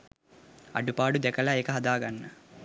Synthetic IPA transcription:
ɐ̰ɖupaːɖud̪ɛkɐlɐekɐɦɐd̪aːɡɐnːɐ

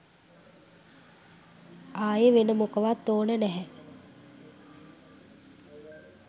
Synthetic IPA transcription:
aːjəʋenəmukəʋat̪ːoːnənɛɦɛ

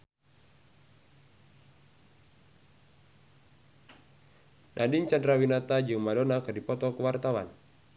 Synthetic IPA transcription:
nʔadiɲt͡ʃandɾawinat̪ad͡ʒɨŋmadɔnakɨrdipɔt̪ɔkuwart̪awa̰n

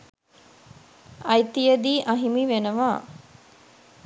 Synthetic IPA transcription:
ɐjt̪ijəd̪iːʔɐɦimiʋenəʋaː

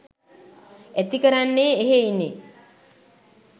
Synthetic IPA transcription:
æt̪ikəɾanːeːɦeinːe

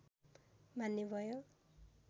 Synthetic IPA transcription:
bʱanːebʱʌjo

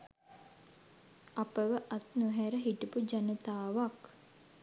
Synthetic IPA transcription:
apəʋəʔat̪nuɦæɾəɦiʈupud͡ʒanət̪aːʋak

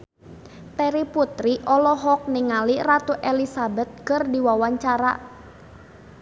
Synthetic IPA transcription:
t̪ɛɾiput̪ɾiʔɔlɔɦɔk̚niŋalirat̪uʔɛlisabɛt̪̚kərdiwawaɲt͡ʃaɾa̰

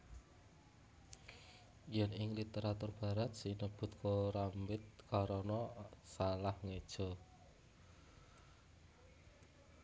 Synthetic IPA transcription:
jɛnɪŋlit̪eɾat̪ʊrb̥a̤ɾat̪̚sinəb̥ʊ̤t̪̚kʰoɾambɪt̪̚kaɾɔnɔsalahŋed̥ʒ̥ɔ̤

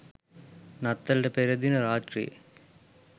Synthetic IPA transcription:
nɐt̪ːɐlɖɐpɛɾɐd̪inɐɾaːʈrḭ

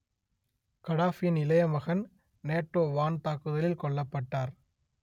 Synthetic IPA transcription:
kɐɽaːfɪjɐnɪlɐjɐmɐɣɐn | neːʈːoːʋaːnt̪aːkɯðɐlɪlkɔɭːɐpːɐʈːaːɾ

